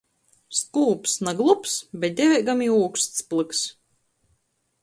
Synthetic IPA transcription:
skuːpsnaɡlˠupsbʲɛt̪̚d̪ʲɛvʲɛɡamiuːkst̪splˠɨks

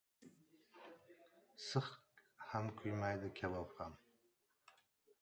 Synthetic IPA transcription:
sɨχhamkʰʊjmajd̪ɪkʲʰalɒpham

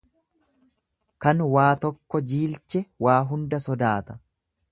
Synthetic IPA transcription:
kɐnwaːt̪ɔkːɔd͡ʒiːlt͡ʃɛwaːɦʊnd̪ɐsɔd̪aːt̪ɐ̥

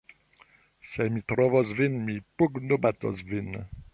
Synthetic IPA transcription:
sɛmit̪ɾɔvɔzvinmipuɡnubat̪ɔ̰zvin

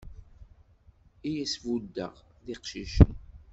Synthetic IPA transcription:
ijæsvud̪ːə̰ʁðiqʃiʃən

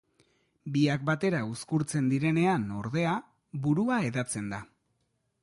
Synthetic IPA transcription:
biak̚bat̪e̞ɾauskuɾt͡se̞nd̪iɾe̞ne̞ano̞ɾðe̞a | buɾuae̞ðat͡se̞nd̪a

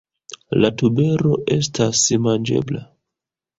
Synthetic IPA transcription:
latube̞ɾo̞ʔe̞stʰasimand͡ʒe̞̰bla

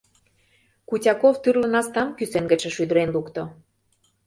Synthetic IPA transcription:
kutʲɑkoft̪yrlə̆nɑst̪ɑmkysenɡə̆t͡ɕə̆ʃyd̪ə̆ɾenlukt̪o

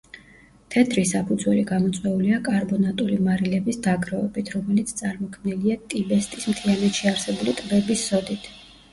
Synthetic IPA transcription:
t̪ʰɛt̪ʰɾisapʰud̪zwɛliɡamɔt̪sʼwɛuliakʼaɾbɔnat̪ʼulimaɾilɛbisd̪aɡɾɔɛbit̪ʰɾɔmɛlit̪sʰt̪sʼaɾmɔkʰmniliat̪ʼibɛst̪ʼismt̪ʰianɛt̪ʃiaɾsɛbulit̪ʼbɛbisːɔd̪it̪ʰ

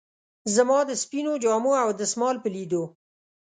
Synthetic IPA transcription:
zamɑd̪əspinod͡ʒɑmoawd̪əsmɑlpəlid̪o

